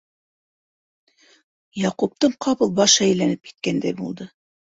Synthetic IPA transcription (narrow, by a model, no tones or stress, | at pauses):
jɑqup̚t̪ɤɴqʰɑβɤlˠbɑʃæjlænɘp̚ki̥t̪̚kænd̪æjbulˠd̪ɤ